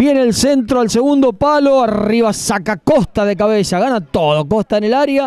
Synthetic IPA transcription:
bjeneːlsent̪ɾoalse̞ɣund̪o̞palo̞ariβasakakost̪aðek̬aβesaɣanat̪oðoko̞st̪aenelaɾja

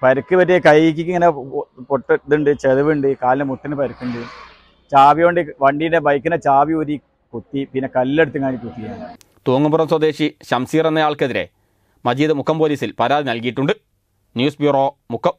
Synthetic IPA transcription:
pɐɾukːɨpɐtːekɐjɐjik̬ʲːikʲːɨŋːɐnepoʈːɨðɨɳɖɨt͡ɕeðɨʋiɳɖɨkaːlinemuʈːinɨpɐɾukːuɳɖɨ | t͡ɕaːbijoɳɖɨʋɐɳɖijndebɐjkːɨnɐt͡ɕaːʋioɾi | kut̪ːipinːekɐlːeɽut̪ːɨŋaːɳikut̪ːikʲːunːɐlɐ | t̪oːŋːumburɐmswɐd̪e̞ːɕiɕɐmsiːrenːɐjaːɭkeðiɾe̞̰ | mɐd͡ʑiːðɨmukʰːɐmpoːliːsilpɐɾaːðinɐlkijiʈːuɳɖɨ | njuːsbjuːroː | mukʰːɐm

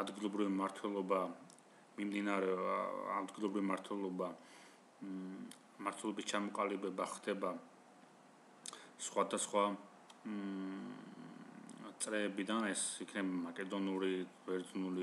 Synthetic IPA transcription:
ad̪ɡilˠɔbɾivimaɾt̪ʰwɛlˠɔba | mimd̪inaɾɛa̰d̪ɡilˠɔbɾivimaɾt̪ʰwɛlˠɔba | maɾt̪ʰwɛlˠɔbist͡ʃʰamɔqʼalibɛbaχd̪ɛba | sχwad̪asχwa | t̪sʼɾɛːbid̪anɛsikʰnɛbamakʼɛd̪ɔnuɾivɛɾd̪znuli

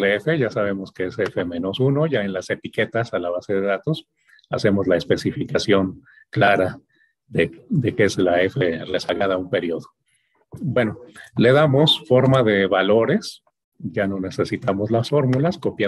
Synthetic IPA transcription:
lefe̞ʝasaβ̞e̞mo̞ske̞esefe̞mẽ̞no̞suno̞ʝae̞nlase̞t̪ike̞t̪asalaβase̞ðe̞ðat̪o̞s | a̰se̞mo̞zlaespe̞sifikasjo̞ŋ | klaɾa | ðed̪e̞keslae̞feresaɣaðaumpe̞ɾjo̞ðo | bwe̞no̞le̞ðamo̞sfo̞ɾmaðe̞βalo̞ɾe̞s | ʝano̞ne̞se̞sit̪amo̞zlasfo̞ɾmulasko̞pja

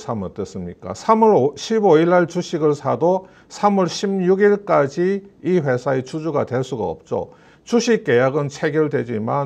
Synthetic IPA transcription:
sʰamʌt͈ɯs͈ɯmɲik͈a̰sʰamuɾɕʰiboiɭːaɭt͡ɕuɕʰiɡɯɭsʰado | sʰamuɭɕʰimɲuɡiɭk͈ad͡ʑiːɸwe̞sʰaet͡ɕud͡ʑuɡadwe̞ɭs͈uɡa̰ʌ̰p̚t͡ɕ͈o̰ | t͡ɕuɕʰik̚k͈ːe̞jaɡɯnt͡ɕʰeɡjʌɭdwe̞d͡ʑiman

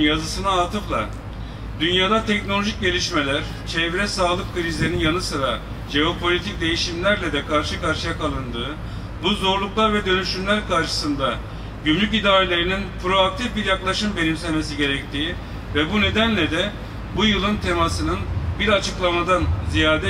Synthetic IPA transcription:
jazɯsɯnaːt̪ʰɯflˠa̰ | d̪ynjaːd̪at̪ʰɛcnolʲoʒic̚ɟe̞lʲiʃme̞lʲæɾ | t͡ʃʰevɾɛsaːlˠɯk̚kʰɯɾizlʲeninjanɯsɯɾa | ʒe̞o̞pʰolʲit̪ʰic̚d̪e̞jiʃimlʲæɾlʲɛd̪ɛkʰaɾʃɯkaɾʃɯjakalˠɯnd̪ɯː | buzo̞ɾlˠuklˠaɾvɛd̪ø̞nyʃymlʲæɾkaɾʃɯ̥sɯnd̪a | ɟymlʲycid̪aːɾelʲe̞ɾininpɾo̞ak̚t̪ʰifbiɾjaklˠaʃɯmbe̞nimsænme̞s̬iɟe̞ɾɛc̚t̪ʰiː | vɛbune̞d̪ænlʲɛd̪ɛ | bujɯlˠɯnt̪ʰe̞masɯnɯnbiɾat͡ʃʰɯklˠamad̪anzijaːd̪ɛ

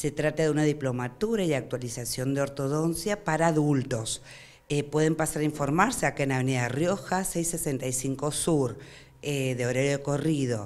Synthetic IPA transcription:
se̞t̪ɾat̪aðeunaðiplo̞mat̪uɾaiak̚t̪walisasjo̞nd̪eo̞ɾt̪o̞ðo̞nsjapaɾaːðult̪o̞s | epwe̞ð̞empasaɾaiɱfo̞ɾmaɾseakenaβeneðarjo̞xasejsesent̪ajsiŋko̞suɾ | eðeoɾeɾjoeko̞riðo̞

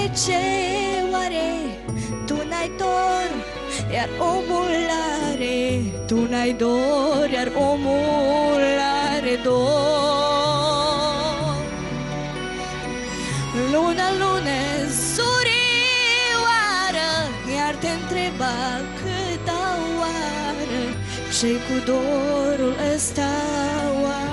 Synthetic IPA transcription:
t͡ɕeʋaɾe | t̪unajt̪oɾ | jaɾomulaɾet̪unajd̪oɾjaɾomulaɾed̪o | lunalunəsuɾi | ʋaɾə | jaɾt̪ent̪ɾeba | kʰət̪awa | ɾə | ɕejkud̪oɾolʔəst̪ʰawa

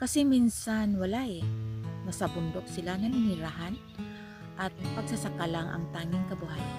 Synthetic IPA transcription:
kɐsɛminsanwɐlajnɐsɐbʊnd̪ok̚sɪlanɐnɪniɾaɦan | ʔɐt̪̚pɐɡ̚sasɐkalaŋʔɐ̰ŋt̪aːŋɪŋkɐbʊhaj

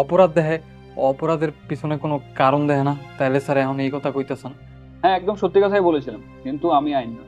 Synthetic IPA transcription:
ɔpoɾad̪ːɛɦe | ɔpoɾad̪eɾpisʰonekonokaɾond̪ɛɦenat̪ajlesaɾeaɦʰonejkɔt̪ʰakojt̪asan | ɦɛ̃ɛk̚d̪omʃot̪ːikat̪ʰajbolet͡ɕʰilam | kint̪uamiajnːa

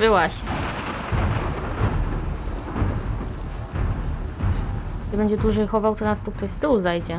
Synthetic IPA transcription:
ɘwaɕ | ɲɛbɛɲd͡ʑɛd̪wuʐɛjxɔvawt̪ɔnast̪uk̚t̪ɔɕst̪ɘwzajd͡ʑɛ

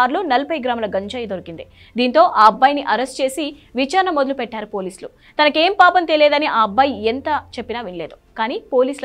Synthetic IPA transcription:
ɾluːnɐlɐpɐjɡɾaːmlɐɡɐɲt͡ʃɐːjɐd̪oɾikind̪i | d̪iːnt̪o̞ːʔaːɐbːɐjniʔɐɾesʈt͡ʃe̞ːsi | ʋit͡ʃaːɾɐɳɐmod̪ɐlupɛʈːaːɾupo̞ːliːsulu | t̪ɐnɐke̞ːmpaːpɐnt̪eleːd̪ɐniʔaːɐbːɐjent̪ɐt͡ʃe̞pːinaːʋinleːd̪ukaːniːpo̞ːliːsl

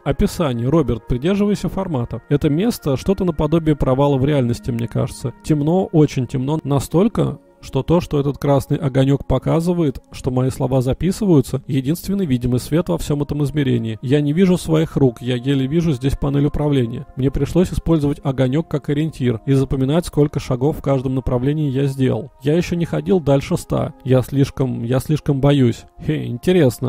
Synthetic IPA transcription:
ɐpʲɪsanʲɪjəɾo̞bʲɪrt̪̚pɾʲɪdʲe̞rʐɨvəjɪsʲəfɐrmat̪əɛt̪əmʲe̞st̪əʂt̪o̞t̪ənəpɐd̪o̞bʲɪəpɾɐvalˠəvɾʲɪalʲnəsʲtʲɪmnʲe̞ka̰ʐɨt̪sətʲɪmno̞ʔo̞t͡ɕɪnʲtʲɪmno̞nɐst̪o̞lʲkə̰ | ʂt̪o̞t̪o̞ʂt̪o̞ɛt̪ət̪kɾasnɨjʔɐɡɐnʲo̞k̚pɐkazɨvəjɪt̪ʂt̪o̞mɐislˠɐvazɐpʲisɨvəjʊt̪səjɪdʲinst̪vʲɪnːɨjvʲidʲɪmɨjsvʲe̞t̪vɐfsʲo̞mɛt̪əmɨzmʲɪɾʲḛnʲɪːjanʲɪvʲiʐʊsvɐixrukjaɡʲelʲɪvʲiʐʊzʲdʲesʲpɐnɛlʲʊpɾɐvlʲenʲɪjə̰mnʲe̞pɾʲɪʂlˠosʲɪspo̞lʲzəvətʲɐɡɐnʲo̞kːakəɾʲɪnʲtʲirizəpəmʲɪnatʲsko̞lʲkəʂɐɡo̞fːkaʐd̪əmnəpɾɐvlʲenʲɪɪjazʲdʲḛlˠə̰lˠjajɪɕːonʲɪxɐdʲilˠd̪alʲʂɨst̪a̰jasʲlʲiʂkəmjasʲlʲiʂkəmbɐjusʲeɪ̰nʲtʲɪɾʲe̞snə

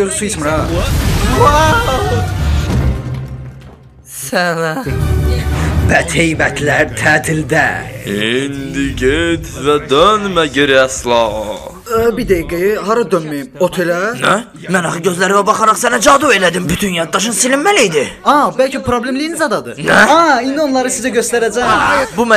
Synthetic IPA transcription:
øɾsujismɾɑ | sænæ | bæt̪ʰejbæt̪ʰlæɾt̪ʰæːt̪ʰild̪æ̰ind̪iɟet̪væd̪ønmæɟeɾiæslˠɑ | bid̪ejɡejiɦɑɾɑd̪ønmæjimot̪ʰelænæ | mænɑχɯɟøzlæɾivæbɑχɑɾɑχsænæd͡ʒɑd̪ue̞læd̪imbyt̪ʰynjɑd̪̚ːɑʃ̬ɯnsilimːælijd̪iɑbælʲcʰipʰɾoblʲemlijinizɑd̪ɑd̪ɯnæɑind̪ionlˠɑɾɯsizæɟøst̪æɾæd͡ʒæbumæ

